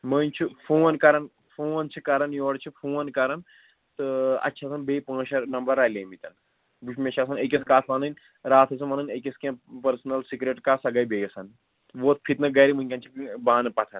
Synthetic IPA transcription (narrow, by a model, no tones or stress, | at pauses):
məːnt͡ʃʰifʰoːnkɐɾɐn | fʰoːnt͡ʃʰikɐɾɐnjoːɽt͡ʃʰifʰoːnkɐɾɐn | t̪ɨɐ̰tːt͡ʃʰasɐnbeːpãːʃɐnɐmbɐɾːaːleːmit̪ɐn | buʃʰmʲeʃʰasɐnek̬ʲiskaːt̪ʰʋɐnɐnʲ | ɾaːt̪ʰɐsʰɐmɐːnɐnekʲiskʲẽːpɐɾsnɐlsikɾeʈkaːsɐɡɐjbeːjɐsɐn | ʋoːt̪̚ʰpʰit̪nɨɡɐːɾimɨnʲkʲɐ̃nt͡ʃʰibaːnpɐt̪ʰɐn